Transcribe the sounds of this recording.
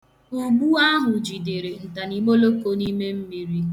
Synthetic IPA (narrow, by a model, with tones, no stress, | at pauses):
o˨ɡ͡bu˦a˦ɦʊ˨d͡ʒi˨de˨ɾe˨n̩˨ta˨ni˨mo˦lo˦ko˦ni˦me˦m̩˦mi˨ɾi˦